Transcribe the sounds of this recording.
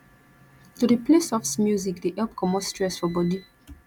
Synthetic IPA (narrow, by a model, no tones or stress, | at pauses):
tudəplesɔfsmjuzikdeʔɛlp̚kʰɔmɔstɹɛsfɔbɔdi